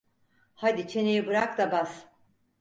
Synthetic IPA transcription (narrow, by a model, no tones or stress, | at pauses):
had̪it͡ʃʰe̞nejibɯɾak̚d̪abas